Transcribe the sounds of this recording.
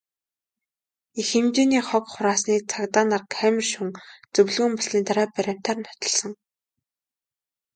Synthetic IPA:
ixemt͡ɕeːniːχɔkχʊɾaːsniːt͡sʰakt̪aːnarkʰæmʲɪ̆rʃuŋt͡sɵwɮɣɵ̆ːmpɔsniːnt̪aɾaːpaɾʲam̥t̪ʰaːrnʰɔ̥t̪ɞ̆ɮsɞ̆ŋ

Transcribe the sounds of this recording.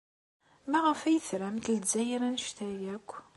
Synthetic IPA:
mæʁəfæjəθɾæmt̪əlzæjiɾænʃt̪æjækʷː

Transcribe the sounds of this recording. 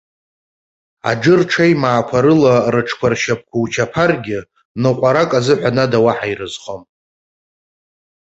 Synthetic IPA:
a̰ɖ͡ʐɨrʈ͡ʂʰajmaːkʷʰaɾɨlarɨʈ͡ʂʰkʷʰarʃap̚ʰkʷʰawt͡ʃʰapʰarɡʲɪ | nɨqʷʼaɾakʼazɨħʷanadawaħajrɨzχom

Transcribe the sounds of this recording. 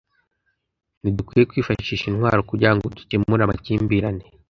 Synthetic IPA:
nidukwiːje̞kwiːfaʃiːʃinwa̰ːɾokuɾɟaŋɡodu̥temuɾamaciːmbiɾane

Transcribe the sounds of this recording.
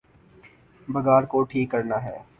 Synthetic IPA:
bɐɡaːɾkoʈʰiːkːɐɾnaɦɛː

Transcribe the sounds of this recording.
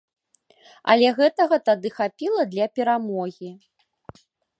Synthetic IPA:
ɐ̰lʲɛɣɛt̪ɐɣɐt̪ad̪ɨxapʲilˠɐd̪lʲɐpʲɛɾamɔɣʲi

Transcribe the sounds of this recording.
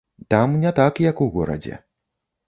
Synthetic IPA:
t̪amnʲɛt̪akjɐkuɣɔɾɐ̰d͡zʲɛ̰

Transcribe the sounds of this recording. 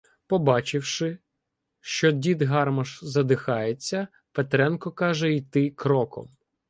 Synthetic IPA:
pɔbɑt͡ʃɪwʃɪ | ʃt͡ʃɔdʲid̪ɦɑrmɐʃzɐd̪ɪxɑjet͡sʲːɐ | pet̪ɾɛnkɔkɑʒɛit̪ɪkɾɔkɔ̰m

